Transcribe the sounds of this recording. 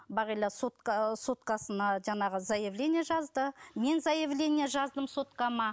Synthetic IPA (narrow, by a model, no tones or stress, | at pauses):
bɑʁilɑsot̪qɑso̞t̪qɑsənɑʒɑɴɑʁəzɑjɪvlʲe̞nʲɪjeʒɑzd̪əme̞nzɑjevlʲe̞nʲijeʒɑzd̪əmso̞t̪qɑmɑ